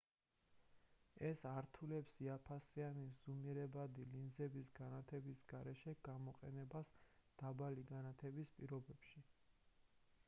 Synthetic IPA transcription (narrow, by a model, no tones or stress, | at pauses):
ɛsaɾt̪ʰulɛpsiapʰasianisz̥umiɾɛbad̪ilinzɛbisɡanat̪ʰɛbisɡaɾɛʃɛɡ̥amɔqʼɛnɛbasd̪̥abaliɡanat̪ʰɛbispʼiɾɔbɛpʃi